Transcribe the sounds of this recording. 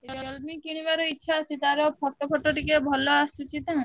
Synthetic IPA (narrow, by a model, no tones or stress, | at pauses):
ɔlmikiɽ̃ibaɾoitːʃʰaːt͡ʃʰit̪aɾopʰɔʈːopʰɔʈːoʈikebʱɔlɔasut͡ʃit̪ã